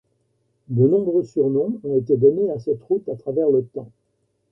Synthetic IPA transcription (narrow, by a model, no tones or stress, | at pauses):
d̪ənɔ̃bʁøsyʁnɔ̃ɔ̃et̪ed̪ɔneasɛt̪ʁut̪at̪χavɛʁlət̪ɑ̃